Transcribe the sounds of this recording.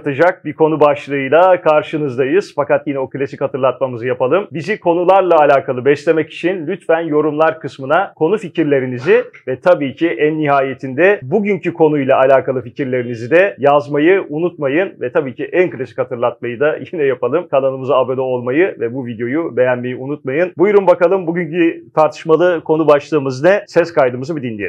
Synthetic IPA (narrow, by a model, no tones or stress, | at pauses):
t̪ʰɯd͡ʒak̚bikʰo̞nubaʃlˠɯɯjlˠakʰaɾʃɯnɯzd̪ajɯz̥fakat̪jinɛo̞kɯlʲasichat̪ʰɯɾlˠat̪mamɯzɯjapalˠɯmbizikʰo̞nulˠaɾlˠaːlʲaːkʰalˠɯbɛslʲe̞mɛci̥t͡ʃʰinlʲyt̪fænjo̞ɾumlˠaɾkʰɯsmɯnakʰo̞nuficiɾlʲe̞ɾinizɪvɛt̪ʰabiːcʰiʔænːiɦaːje̞t̪ʰind̪ɛbuɟyɲcykʰo̞nujlˠaʔalʲaːkalˠɯficiɾlʲe̞ɾinizid̪ɛjazmajɯunut̪majɯnvɛt̪ʰabiːcʰiʔænkɯlʲesi̥khat̪ʰɯɾlˠat̪̚majɯd̪ajinɛjapalˠɯmkʰananˠɯmɯzaabed̪ɛo̞lˠmajɯvɛbuvid̪jo̞jube̞jænme̞jiunut̪̚majɯnbujɾumbakalˠɯmbuɟyɲcyt̪ʰaɾt̪ʰɯ̥ʃmalˠɯkʰo̞nubaʃlˠɯːmɯznɛsɛskʰajd̪ɯmɯzɯbid̪inlːʲei